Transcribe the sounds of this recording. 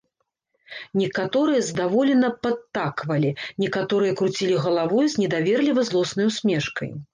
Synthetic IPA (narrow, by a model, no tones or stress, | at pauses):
nʲɛkat̪ɔɾɨjɐzd̪avɔlʲɛnɐpɐt̪ːakvɐlʲinʲɛkat̪ɔɾɨjɐkɾut͡sʲilʲiɣɐlˠavɔjuzʲnʲɛd̪avʲɛrlʲivɐjzlˠɔsnɐjwsʲmʲɛʂkɐ̰j